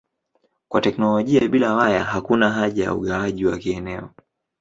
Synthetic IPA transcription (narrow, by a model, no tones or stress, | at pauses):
kwatɛknɔlɔʄiaɓilawajaɦakunaɦaʄaja̰ṵɠawaʄiwakiɛnɛɔ